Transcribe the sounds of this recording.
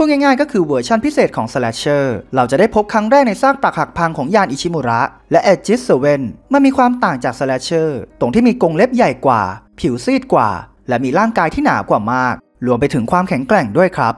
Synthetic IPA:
u˥˩ŋɛ˥˩ŋaː˥˩jkɔː˥˩kʰɯː˧wə˦t͡ɕʰa˥˩npʰi˦˥seː˨˩t̪̚kʰɔː˩˦ŋsə˧lɛ˦˥t͡ɕʰɤː˥˩ɾa˧wt͡ɕa˨˩da˥˩jpʰo˦˥p̚kʰɾa˦˥ŋɾɛː˥˩k̚na˧jsaː˥˩k̚pɾa˨˩ha˨˩k̚pʰa˧ŋkʰɔː˩˦ŋjaː˧nʔi˨˩t͡ɕʰiː˧˥mu˧ɾa˦˥ʔ | lɛ˦˥ʔe˧t̚t͡ɕi˦˥s̚səː˧we˥˩nma˧˨miː˧kʰwaː˧mt̪aː˨˩ŋt͡ɕaː˨˩k̚sə˧lɛ˦˥t͡ɕʰɤː˥˩t̪o˧ŋt̪ʰiː˥˩miː˧ko˧ŋle˦˥p̚ja˨˩jkwa̰ː˨˩pʰi˩˦wsiː˥˩t̪̚kwa̰ː˨˩ | lɛ˦˥miː˧ɾaː˥˩ŋkaː˧jt̪ʰiː˥˩na̰ː˩˦wkwaː˨˩maː˥˩k̚ | lu˧əmp̬a˧jt̪ʰɯ˩˦ŋkʰwaː˧mkʰɛ˩˦ŋkɾɛ˨˩ŋdu˥˩əjkʰɾa˦˥p̚

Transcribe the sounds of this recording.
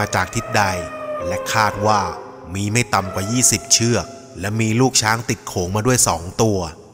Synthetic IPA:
t͡ɕaː˨˩k̚t̪ʰi˦˥t̪̚da˧jlɛ˦˥kʰaː˥˩t̪̚waː˥˩ | miː˧ma˥˩jt̪a˧mkwaː˨˩jiː˥˩si˨˩p̚t͡ɕʰɯ˥˩ək̚ | lɛ˦˥miː˧luː˥˩k̚t͡ɕʰaː˦˥ŋt̪i˨˩t̪̚kʰoː˩˦ŋmaː˧du˥˩əjsɔː˩˦ŋt̪u˧ɐ

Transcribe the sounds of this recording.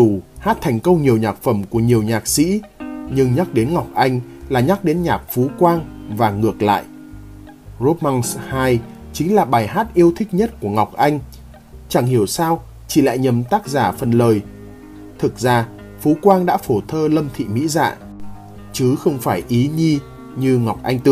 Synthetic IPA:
u˧˩haː˦˥t̚t̪ʰɛ˨˩jŋ̟kə˧wŋ͡mɲi˨˩əwɲaː˨˩k̚fə˧˩mku˧˩əɲi˨˩əwɲaː˨˩k̚sḭ˧˥ɲɨ˧ŋɲa˦˥k̚ɗe˨˦nŋa˨˩wk͡p̚ʔa˧jŋ̟laː˨˩ɲa˦˥k̚ɗe˨˦nɲaː˨˩k̚fu˨˦kwaː˧ŋvaː˨˩ŋɨ˨˩ək̚la̰ː˧˨jʔ | zo˦˥t̚ma˧nshaː˧j | t͡ɕï˨˦ŋ̟laː˨˩ɓaː˨˩jɦaː˦˥t̚ʔi˧əwt̪ʰï˦˥k̟̚ɲə˦˥t̚ku˧˩əŋɔ˨˩wk͡p̚ʔa˧jŋ̟ | t͡ɕa˧˩ŋhi˧˩əwsaː˧w | t͡ɕi˧˩la̰ː˧˨jɲə˨˩mt̪aː˦˥k̚zaː˧˩fə˨˩nləː˨˩j | t̪ʰɨ˨˩k̚zaː˧ | fu˨˦kwaː˧ŋɗa̰ː˧˥fo˧˩t̪ʰəː˧lə˧mt̪ʰḭ˧˨mḭ˧˥za̰ː˧˨ | t͡ɕɨ˨˦xə˧wŋ͡mfaː˧˩jʔi˨˦ɲi˧ | ɲɨ˧ŋa˨˩wk͡p̚ʔa˧jŋ̟t̪ɨ˧˨

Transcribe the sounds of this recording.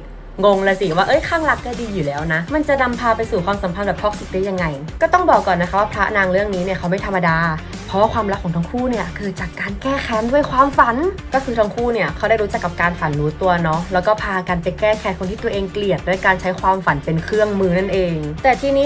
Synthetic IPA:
ŋo˧ŋla˧si˨˩waː˥˩ʔɤ˦˥jkʰaː˥˩ŋla˦˥k̚ːaː˥˩diː˧juː˨˩lɛː˦˥wna˦˥ma˧nt͡ɕa˨˩ʔna˧mpʰaː˧pa˧jsuː˨˩kʰwaː˧msa˩˦pʰa˧nbɛː˨˩pʰɔ˦˥˩k̚si˨˩t̚diː˦˥˩ja˧ŋːa˧jkɔː˥˩t̪ɔ˥˩ŋbɔː˨˩kːɔː˨˩nː˧˦kʰa˦˥p̚waː˥pʰɾa̰˦˥naː˧ŋɾɯ˥˩əŋniː˦˥ni˥˩ɐkʰa˦wma˥˩jt̪ʰa˧mːa˧daː˧ | pʰɾɔ˦waː˥˩kwaː˧mɾa˦˥k̚ʰːɔː˨˩˦ŋt̪ʰːŋkʰuː˥˩ni˥˩ɐkʰɯː˧t͡ɕaː˨˩kːaː˧nkɛː˥˩kʰɛː˧˥ndu˥˩əjkʰwaː˧mfa˩˦nkɔː˥˩kʰɯː˧t̪ʰɔ˧ŋkʰuː˥˩ni˥˩ɐkʰa˦˥wɾaː˥˩jɾuː˦˥t͡ɕa˨˩kːa˨˩p̚kaː˧nfa˩˦nɾuː˦˥t̪u˧ɐnɔ˦˥lɛː˦˥wkɔː˥˩pʰaː˧kaː˧npa˧jkɛː˥˩kʰɛː˧˩nkʰo˧nt̪ʰiː˥˩t̪ɐʔeː˧ŋkli˨˩ət̪̚du˥˩˨jkaː˧nt͡ɕʰa˦˥jkʰwaː˧mfa˨˩˦npe˧nkʰɾɯ˥˩əŋmɯː˧na˥˩nʔeː˧ŋt̪ɛː˨˩t̪ʰiː˧niː˦˥

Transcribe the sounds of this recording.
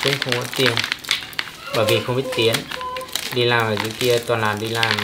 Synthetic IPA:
kʊ̰˧˥ŋ͡mxə˧wŋ͡mkɔ˨˦nt̪i˧˩ə˩w | ɓəː˧˩jvi˨˩xə˧wŋ͡mɓi˦˥ət̚t̪i˨˦ən | ɗi˧laː˨˩mvaː˨˩zṵ˨˧˦ki˧ət̪waː˨˩nlaː˨˩nɗi˧laː˨˩m

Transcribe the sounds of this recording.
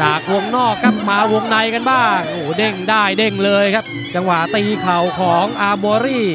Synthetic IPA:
t͡ɕaː˨˩k̚wu˧əŋnɔː˥˩kʰːa˦˥p̚maː˧wo˧ŋna˧jka˧nbaː˥˩ŋʔoː˧˩de˥˩ŋdaː˥˩jde˥˩ŋlɤː˧jkʰa˦˥p̚ | t͡ɕa˧ŋwa˨˩ʔt̪iː˧kʰa˨˩wkʰɔː˩˦ŋʔaː˧bɔː˧ɾiː˥˩

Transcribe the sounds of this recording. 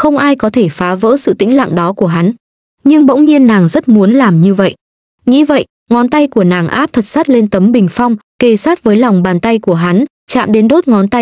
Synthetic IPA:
xə˧wŋ͡mʔaː˧jkɔ˨˦t̪ʰe˧˩faː˨˦və̰ː˧˥sɨ̰˧˨t̪ḭ˧˥ŋ̟la̰ː˧˨ŋɗɔ˨˦ku˧˩əɦa˨˦n | ɲɨ˧ŋɓə̰˧˥wŋ͡mɲi˧ənːaː˨˩ŋzə˦˥t̚mu˨˦ənlaː˨˩mɲɨ˧və̰˧˨jʔ | ŋḭ˧˥və̰˧˨j | ŋɔ˨˦nt̪a˧jku˧˩ənaː˨˩ŋʔaː˦˥p̚t̪ʰə˨˩t̚sa˦˥t̚le˧nt̪ə˨˦mɓï˨˩ŋ̟fa˧wŋ͡mke˧˨˩saː˦˥t̚vəː˨˦jla˨˩wŋ͡mɓaː˨˩nt̪a˧jku˧˩əɦa˨˦n | t͡ɕa̰ː˧˨mɗe˨˦nɗo˦˥t̚ŋɔ˨˦nt̪a˧j

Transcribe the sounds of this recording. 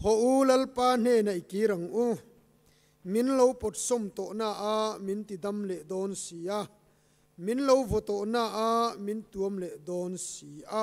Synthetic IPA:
hɔ˨ʔu˦lɐ˦lpaː˦n̥e˨nɐ˨jke˨˦ɾɐ˨ŋʔu˦˨ | mi˨˦nlo˦wpɔ˨t̚sɔ˨mt̪ɔ˨ʔnaː˧ʔa˨mi˨˦nt̪i˨d̪ɐ˦mlɛ˨ʔd̪ɔː˦nsiː˨ʔa˧˨ | mi˨˦nlo˦wvɔ˨t̪ɔ˨ʔnaː˧ʔa˨mi˨˦nt̪u˨˦əmlɛ˨ʔd̪ɔ˨˦nsi˨ʔa˦

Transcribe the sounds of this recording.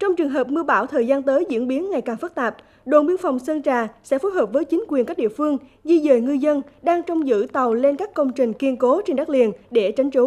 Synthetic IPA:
t͡ɕɔ˧wŋ͡mt͡ɕɨ˨˩əŋɦəː˨˩p̚mɨ˧əɓaː˧˩wt̪ʰəː˨˩jzaː˧nt̪əː˨˦jzɨ̰˧˥ənɓi˨˦ənŋa˨˩jkaː˨˩ŋfə˦˥t̚t̪aː˨˩p̚ | ɗo̰˧˨nɓi˧ənfa˨˩wŋ͡msə˧nt͡ɕaː˨˩sɛ̰˧˥fo˨˦jɦəː˨˩p̚vəː˨˦jt͡ɕï˨˦ŋ̟kwi˨˩nka˦˥k̚ɗḭ˧əfɨ˧əŋzi˧zəː˨˩jŋɨ˧zə˧nɗaː˧ŋt͡ɕɔ˧wŋ͡mzɨ̰˧˥t̪ə˨˩wle˧nkaː˦˥kːə˧wŋ͡mt͡ɕï˨˩ŋ̟ki˧ənko˨˦t͡ɕe˧nɗa˦˥k̚li˨˩ənɗe˧˩t͡ɕa˨˦jŋ̟t͡ɕo˨˦

